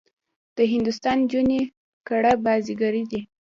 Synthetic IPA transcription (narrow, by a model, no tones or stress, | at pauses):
d̪̥əɦɪnd̪ʊst̪ɑnd͡ʒune | kaɽabɑziɡaɾid̪i